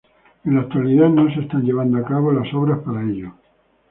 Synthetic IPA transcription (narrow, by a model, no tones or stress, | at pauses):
enlak̚t̪waliðano̞sest̪aɲɟe̞β̞and̪oakaβolasoβɾaspaɾaeʎo